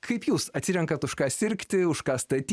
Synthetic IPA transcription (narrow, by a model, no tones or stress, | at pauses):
kʰɐɪpjuːsɐt̪ʲsʲɪɾʲɛŋkɐt̪ʊʃkɑːsʲɪɾʲkt̪ʲɪʊʃkɑːst̪ɐt̪ʲː